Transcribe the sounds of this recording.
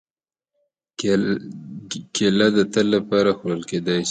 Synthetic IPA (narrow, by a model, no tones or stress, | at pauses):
kelad̪ət̪əlːapɑɾaxoɾəlked̪ɑjʃ